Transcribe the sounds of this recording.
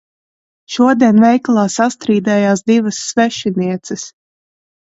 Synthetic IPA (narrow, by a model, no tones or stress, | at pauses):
ʃuɔd̪iɛnvɛjklˠaːsast̪ɾiːd̪ɛːjaːsd̪ivɐsːvɛʃiniɛt̪sɨs